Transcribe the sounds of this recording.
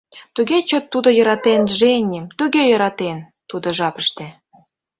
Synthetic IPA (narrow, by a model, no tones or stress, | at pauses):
t̪uɣet͡ɕot̪ːud̪ojɤ̆ɾɑt̪enʒenʲimt̪uɣejɤ̆ɾɑt̪en | t̪ud̪oʒɑpəʃt̪ĕ